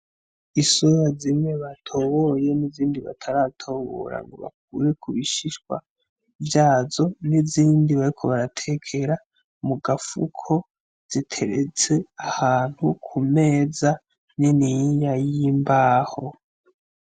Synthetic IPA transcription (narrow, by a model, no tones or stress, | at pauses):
isojazimŋe̞βatʰo̞βo̞je̞niziːndiβa̰tʰaɾatʰo̞βo̞̰ɾa̰ŋɡo̞̰βa̰k̚uːɾe̞kuβiʃiʃɡwa̰ | vjaːzo̞niziːndiβaɾikʰo̞βaɾatʰe̞kʰe̞ɾa | muɡafṵkʰo̞ | z̥itʰe̞ɾet͡se̞ahaːn̥hukʰume̞ːza | niniɲajimbaːho̞